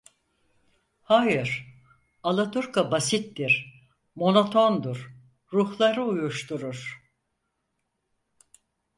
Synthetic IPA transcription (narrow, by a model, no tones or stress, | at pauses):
haːjɯɾ | alˠat̪ʰuɾkabasit̪d̪iɾ | mo̞no̞t̪ʰo̞nd̪uɾː | uhlˠaɾɯujuʃt̪ʰuɾuɾ̥